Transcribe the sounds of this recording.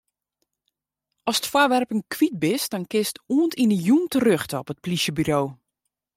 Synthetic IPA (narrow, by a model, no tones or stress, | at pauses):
ɔsə̥tfwɔrʋɛrpənkʰʋit̚bɪsd̥ɔnkɪstuəntinəjuntərøxtəɔpət̚pliʃjəbyɾoː